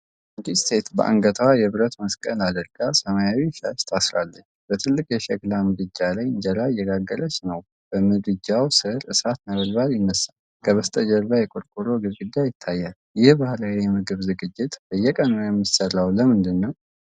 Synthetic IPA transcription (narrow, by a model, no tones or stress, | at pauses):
ɨd̪ist̪ʰe̞t̪bə̰ʔa̰ŋɡət̪ʰəwajɛβɨɾət̪məskʼənad̪əɾɡasəmajawiʃaʃt̪ʰasɾalːəɲːbət̪ʰɨlːɨkjɛʃɛɡlamɨd̪ɨd͡ʒːalajɨɲd͡ʒɛlajːɛɡaɡːələt͡ʃnəw | b̥əmɨd̪ɨd͡ʒawsɨhɾʔɨsat̪nəβəlbaljɪnːəsːa | kʰəβəst̪ʼəd͡ʒɛlβajɛkʼoɾkʼuɾoɡɨβɡɨd̪ːajɪt̪ʰːajːal | jɪhbahlawjɛmɨɡɨβzɨɡɨd͡ʒːɪt̪b̥əjːɛkʼənojɛmːisərːawləmɨnd̪ɨnːəw